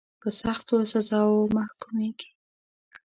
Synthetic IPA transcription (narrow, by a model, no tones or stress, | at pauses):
pəsaxt̪osazɑwomahkumeɡ̥i̥